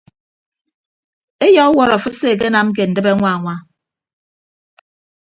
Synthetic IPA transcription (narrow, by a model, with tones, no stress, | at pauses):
e˦jɔ˦kwɔ˦ɾɔ˨fɨ˦tse˦˨k̬e˦na˦m̩˦k̬e˨n̩˨dɨ˦be˦ŋʷa˦˨ŋʷa˦